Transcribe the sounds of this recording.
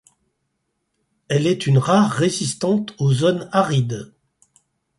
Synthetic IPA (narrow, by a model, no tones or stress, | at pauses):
ɛlɛt̪ynʁaʁːezist̪ɑ̃t̪ozonaʁid̪